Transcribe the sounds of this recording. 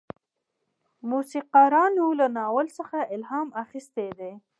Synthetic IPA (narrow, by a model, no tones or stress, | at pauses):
musiqɑɾɑnulanɑwəlsəxaʔɪlɦɑmaxist̪ed̪e